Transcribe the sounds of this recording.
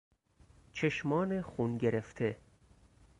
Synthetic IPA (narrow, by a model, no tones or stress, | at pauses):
t͡ʃʰeʃmɒːnexunɡeɾeft̪ʰe̞